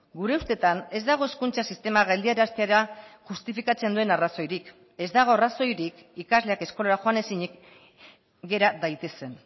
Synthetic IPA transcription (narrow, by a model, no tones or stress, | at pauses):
ɡuɾe̞ust̪e̞t̪ane̞zd̪aɣ̞o̞e̞skunt͡sasist̪e̞maɣald̪iaɾeast̪eaɾaʝust̪ifikat͡se̞nd̪ue̞naraso̞jɾik | e̞zd̪aɣ̞o̞araso̞jɾik | ikazle̞ake̞sko̞laɾaxo̞ane̞siɲik | ɡe̞ɾaðajt̪e̞se̞n